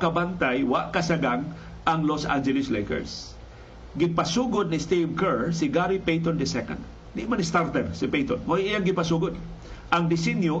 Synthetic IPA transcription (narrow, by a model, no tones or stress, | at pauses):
kɐbant̪ajwaʔkɐsaɡaŋ | ʔaŋlosʔa̰nd͡ʒɛlɪslɛjkɛ̰ɹs | ɡɪpasuːɡʊd̪̚nɪst̪ivkɛɹsɪɡaɾipejt̪ond̪ɪsɛko̰nd̪ | d̪ɪʔmanɪst̪aɾt̪ɛɾsɪpejt̪onmoʔijaŋɡɪpasuːɡʊd̪ | ʔaŋd̪ɪsɛnjo